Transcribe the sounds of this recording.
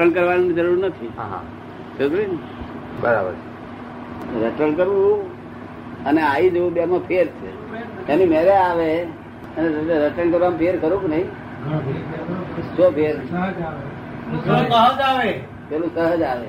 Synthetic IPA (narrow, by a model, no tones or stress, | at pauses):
əɳkəɾʋannid͡ʒəɾuɾnət̪ʰiɦa̰ɦã̰ | səɡlin | bəɾa̰bə̰ɾt͡ʃʰe | ɾəʈəɳkəɾʋũ | əneaid͡ʒoũbamãpʰeɾt͡ʃʰḛ | enimeɾeaʋe | əneɾɾəʈəɳkəɾʋampʰeɾkəɾũknəĩ | sopʰeɾ | sokəɦəd͡ʒaʋe | pelũsəɦəd͡ʒaʋe